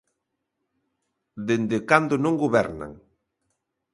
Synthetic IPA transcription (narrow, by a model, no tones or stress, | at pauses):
d̪end̪ekand̪ʊnõŋɡoβɛɾna̰ŋ